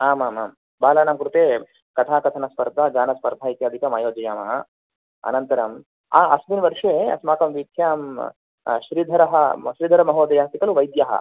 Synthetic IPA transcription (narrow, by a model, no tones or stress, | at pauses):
aːmaːma̰ːm | baːlaːnamkɾut̪eː | kɐt̪ʰaːkɐt̪ʰɐnɐspɐɾd̪ʱaːd͡ʒaːnɐspɐɾd̪ʱaːit̪jaːd̪ʱikɐmaːjoːd͡ʒɐjaːmɐɦɐ | ɐ̰nɐnt̪ɐɾɐm | a̰ːɐsminʋɐɾʂeːɐ̰smaːkɐmʋit̪ʰjaːm | ʃɾid̪ʱɐɾɐɦɐ̰ʃɾiːd̪ʱɐɾɐmɐɦoːd̪ɐjaːt̪ikɐluʋɐjd̪jaɦɐ̰